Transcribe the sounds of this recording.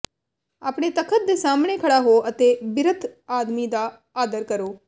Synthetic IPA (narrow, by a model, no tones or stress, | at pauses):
aːpɽ̃et̪ɐkʰət̪̚d̪esaːmɽ̃ekʰɐɽaɦoʔɐt̪ebɪɾət̪ʰaːd̪mid̪a | aːd̪əɾkɐɾoː